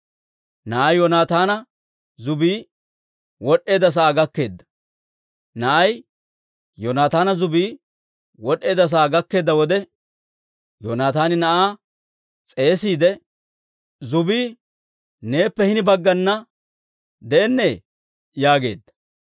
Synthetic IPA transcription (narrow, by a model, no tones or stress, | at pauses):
nɐʔɐjjɔnaːt̪aːnɐ | zʊbiː | wɔɗe̞ːd̪ɐs̬ɐaːɡɐkːe̞ːd̪ːɐ̥ | nɐʔɐj | jɔnaːt̪aːnɐzʊbiː | wɔɗːe̞ːd̪ɐs̬ɐaːɡɐkːe̞ːd̪ːɐwɔd̪ɛ | jonaːt̪aːnɪnɐʔaː | t͡sʼe̞ːsiːd̪ɛ | zʊbiː | ne̞ːpːɛhɪnɪbɐɡːɐnːɐ | d̪ɛɛnːe̞ː | jaːɡe̞̰ːd̪ːɐ̥